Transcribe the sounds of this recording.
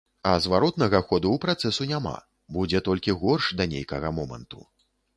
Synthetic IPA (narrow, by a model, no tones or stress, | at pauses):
ɐzvaɾɔt̪nɐɣɐxɔd̪uwpɾat̪sɛsunʲama̰ | bud͡zʲɛt̪ɔlʲkʲiɣɔrʂd̪ɐnʲḛjkɐɣɐmɔmɐ̰nt̪ṵ